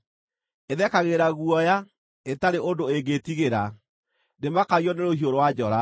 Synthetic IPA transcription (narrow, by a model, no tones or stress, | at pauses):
eðɛkaɣeɾaɣuɔja | etaɾeʔondoeɡetiɣeɾa | nemakaɣjɔneɾohioɾowad͡ʑɔɾa